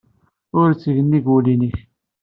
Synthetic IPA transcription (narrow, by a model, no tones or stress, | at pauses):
ʊɾt͡sːəʝənːiɡuliniç